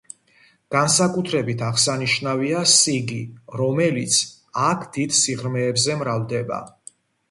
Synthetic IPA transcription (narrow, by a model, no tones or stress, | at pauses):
ɡ̥ansakʼut̪ʰɾɛbit̪ʰaʁsaniʃnaviasiɡiɾɔmɛlit̪sʰ | akʰd̪̥id̪siʁɾmɛːbzɛmɾavd̪ɛba̰